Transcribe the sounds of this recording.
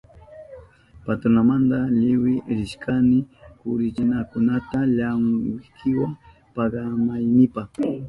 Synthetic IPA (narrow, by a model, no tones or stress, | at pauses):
pat̪ɾonamand̪alɪwɪɾɪʃkʰanɪkʊɾɪt͡ʃɪnakʊnat̪aʎamkʰɪwaŋ | paɢamajnɪpaχ